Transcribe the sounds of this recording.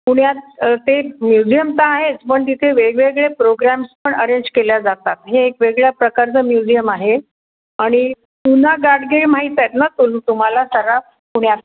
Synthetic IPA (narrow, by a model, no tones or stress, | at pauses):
puɽjat͡st̪emjud͡ʑijəmt̪aːɦet͡spəɳt̪it̪ʰeʋeɡɭeɡɭepɾoɡɾæmspəɳəɾeɲd͡ʑkeljad͡zat̪at̪ɦeːkʋeɡɭjapɾəkaɾt͡səmjud͡ʑijəmaɦe | aɽ̃i | pun̤aɡaɽɡeɭmaɦit̪et̪nət̪ulut̪um̤alasəɾap | puɽjat͡s